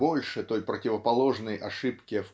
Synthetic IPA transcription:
o̞lʲʂɨt̪o̞jpɾətʲɪvəpɐlˠo̞ʐnəjʔɐʂɨpkʲɪf

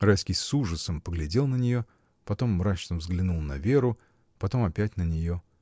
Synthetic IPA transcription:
rajskʲɪjsuʐəsəmpəɡlʲɪdʲe̞lˠnənʲɪjo̞ | pɐt̪o̞mːɾat͡ɕnəvzɡlʲɪnulˠnɐvʲe̞ɾʊ | pɐt̪o̞mɐpʲætʲnənʲɪjo̞

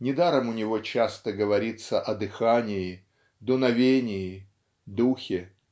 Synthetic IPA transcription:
nʲɪd̪aɾəmʊnʲɪvot͡ɕast̪əɡəvɐɾʲit̪səʔɐd̪ɨxanʲɪjɪ | d̪ʊnɐvʲenʲɪjɪ | d̪uxʲɪ

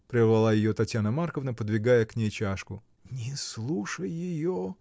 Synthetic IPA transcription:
pɾʲɪzvɐlˠajɪjot̪ɐtʲjanəmarkəvnəpəd̪vʲɪɡajəknʲejt͡ɕaʂkʊ | nʲɪslˠuʂəjːɪjo

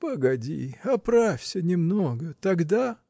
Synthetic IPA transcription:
pəɡɐdʲḭɐpɾafʲsʲənʲɪmnoɡət̪ɐɡd̪a

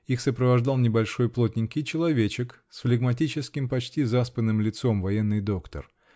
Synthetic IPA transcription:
ixsəpɾəvɐʐd̪ɑlˠnʲɪbɐlʲʂo̞jplˠot̪̚ʲnʲɪŋkʲɪjt͡ɕɪlˠɐvʲet͡ɕɪk | sflʲɪɡmɐt̬ʲit͡ɕɪskʲɪmpɐt͡ɕtʲizaspənːɨmlʲɪt̪so̞mvɐjenːɨjd̪o̞kt̪ə̰r

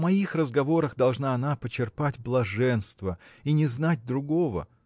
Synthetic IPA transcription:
mɐixrəzɡɐvo̞ɾəxd̪ɐlˠʐnaɐnapət͡ɕːɪrpatʲblˠɐʐɛnst̪vəinʲɪznat̚ʲd̪ɾʊɡovə̰

